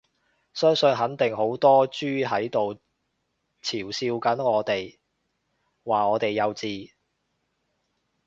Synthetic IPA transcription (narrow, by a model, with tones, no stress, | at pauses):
sœː˥ŋsɵ˧nɦɐ˨˥nt̪ɪ˨ŋɦo˨˥wt̪ɔː˥t͡ʃyː˥ɦɐ˨˥jt̪o˨w | t͡sʰiː˨˩wsiː˧wkɐ˨˥nŋɔː˨˧t̪e˨j | waː˨ŋɔː˨˧t̪e˨jːɐ˨˧wt͡siː˧